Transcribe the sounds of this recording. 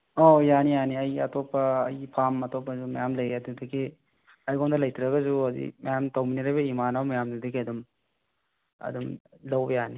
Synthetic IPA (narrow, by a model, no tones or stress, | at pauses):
ojanijaniɐjɐ̰tɔpːɐːjpʰamɐtɔpːɐzumɐjamlɐjeɐdudɐɡi | ajɡondɐlɐjtʰɾɐɡɐzuɐzḭmɐjamtawminiɾajbɐimanawmɐjamdudɐɡiɐdum | ɐ̰dumlawbɐjani